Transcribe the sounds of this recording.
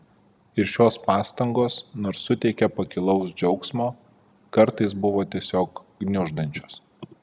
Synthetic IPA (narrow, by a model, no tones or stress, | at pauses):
ɪɾʃʲoːspɑːst̪ɐŋɡoːsnoːɾsːʊt̪ʲɛɪkʲɛpɐkʲɪlˠɒʊsd͡ʒʲɛʊksmoː | kɐɾt̪ɐɪs̬bʊʋoːt̪ʲiɛsʲoːkɡnʲʊʒd̪ɐnʲt͡ʃʲoːs